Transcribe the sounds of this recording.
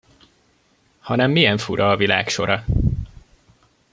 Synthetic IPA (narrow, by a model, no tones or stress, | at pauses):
hɒnɛmːijɛɱfuɾʔɒːvila̰ːkʃo̞ɾɒ